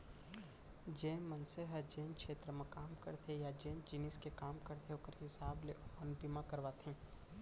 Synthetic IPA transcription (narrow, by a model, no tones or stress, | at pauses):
d͡ʒẽːmənseɦəd͡ʒẽːnkʃʰeːt̪ɾəmẽkaːmkə̰ɾt̪ʰejad͡ʒẽːnd͡ʒɪnɪskekaːmkəɾt̪ʰeoːkəɾɦɪsaːbleɐnpimãkəɾʋaːt̪ʰẽː